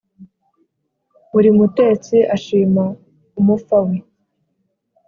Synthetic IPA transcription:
βuɾimute̞ːt͡siʔaʃiːma | umufawe

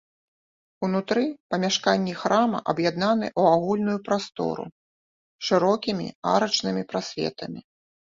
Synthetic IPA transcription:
unut̪ɾɨpɐmʲaʂkanʲːixɾamɐ̰ʔɐbjad̪nan̪ɨ̰ʔuaɣulʲnujupɾast̪ɔ̰ɾṵ | ʂɨɾɔkʲimʲḭa̰ɾɐt͡ʂnɨmʲipɾasʲvʲɛ̰t̪ɐmʲi

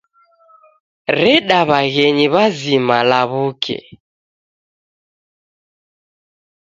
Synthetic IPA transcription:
ɾɛɗaβaɣɛɲiβazimalaβukʰɛ̰

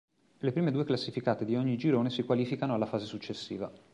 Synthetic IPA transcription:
lepɾiːmed̪ueklasːifikaːt̪ed̪ioɲːid͡ʒiɾoːnesikwaliːfikanoalːafaːzesut͡ʃːesːḭːva

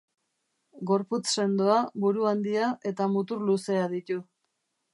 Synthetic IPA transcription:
ɡo̞ɾput͡sse̞nd̪oaβuɾuand̪iaʔe̞t̪amut̪uɾluse̞aðit̪u

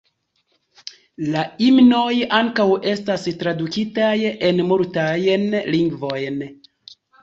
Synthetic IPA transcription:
laimno̞jaŋkawe̞stastɾadukitaje̞nmultajnliŋɡvo̞jn

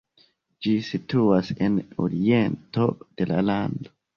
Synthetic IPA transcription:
d͡ʒisituaseno̰ɾiento̞̰d̥e̞la̰lando

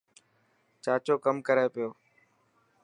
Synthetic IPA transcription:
t͡ʃaːt͡ʃoːkəmkəɾeːpɪjoː

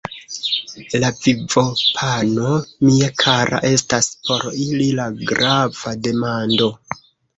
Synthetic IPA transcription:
lavivo̞pʰano̞miakʰaɾa̰ʔe̞staspo̞ɾililaɡɾav̥ade̞mando̞

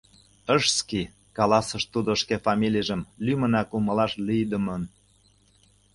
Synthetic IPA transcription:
əʃski | kɑlɑsə̆ʃt̪ud̪oʃkefɑmʲilʲijʒə̆mlymə̆nɑkuməlɑʃlyjd̪əmən

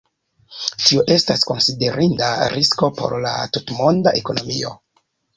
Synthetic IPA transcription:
tioʔe̞stasko̞nside̞ɾindaɾʔisko̞po̞̰ɾla̰tutmo̞ndaʔeko̞no̞mio̞̰

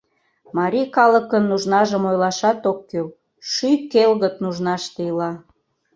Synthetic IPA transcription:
mɑɾʲikɑləkənːuʒnɑʒəmojlɑʃɑt̪okːøl | ʃykelɣət̪nuʒnɑʃt̪eilɑ

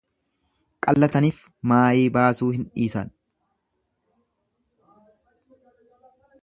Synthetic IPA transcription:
kʼɐlːɐt̪ɐniːf | maːjiːbaːsuːhɪnᶑiːsɐn

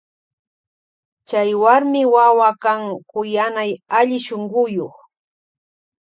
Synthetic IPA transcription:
t͡ʃajwaɾmɪwawakaŋkʊjanajaʎɪʃoɴɢʊjoχ

